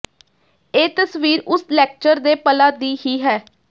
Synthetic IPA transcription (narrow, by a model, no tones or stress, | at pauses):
eːt̪əsʋiːɾʊslɛːk̚t͡ʃəɾd̪eːpəlaːd̪iːhiːɦɛː